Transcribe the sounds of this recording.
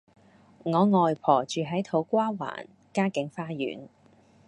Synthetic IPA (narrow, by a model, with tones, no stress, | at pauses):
ŋɔː˨˧ŋɔː˨jpʰɔː˨˩t͡ʃyː˨ɦɐ˨˥jt̪ʰo˨˥wkʷaː˥wa̰ː˨˩n | kaː˥kɪ˨˧˥ŋfaː˧jy̰ː˨˥n